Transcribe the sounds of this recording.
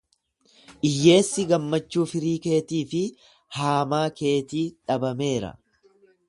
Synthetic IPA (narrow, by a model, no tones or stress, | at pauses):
ʔɪjːe̞ːsːɪɡɐmːɐt͡ʃːuːfɪɾiːke̞ːt̪iːfɪ | haːmaːke̞ːt̪iːᶑɐbɐme̞ːɾɐ̰